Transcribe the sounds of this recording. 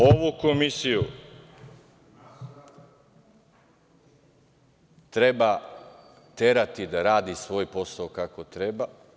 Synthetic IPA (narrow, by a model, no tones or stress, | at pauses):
oʋukomisiju | t̪ɾe̞ba | t̪e̞ɾat̪id̪aɾaːd̪isʋo̞ːjpo̞saokako̞t̪ɾeba